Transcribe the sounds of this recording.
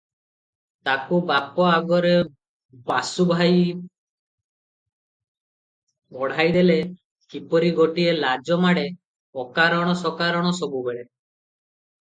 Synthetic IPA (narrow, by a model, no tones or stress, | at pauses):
t̪akubapɔaɡɔɾe | basubʱaj | ɔɽ̤ajd̪ele | kipɔɾiɡoʈielad͡ʒɔmaɽe | ɔkaɾɔɽ̃ɔsɔkaɾɔɽ̃ɔsɔbubeɽe